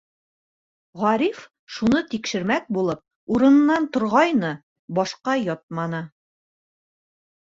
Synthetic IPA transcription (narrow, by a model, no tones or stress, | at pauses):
ʁɑɾif | ʃunɤt̪ikʃɘ̆ɾmæk̚bulˠɤp̚ | uɾɤ̆nɤ̆nːɑnt̪ŏɾʁɑjnɤ | bɒʃqɑjɒt̪̚mɑnɤ